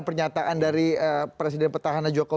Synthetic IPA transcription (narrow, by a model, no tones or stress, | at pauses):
pərɲat̪aʔandaɾiəpɾes̬idɛnpərt̪aɦanand͡ʒoko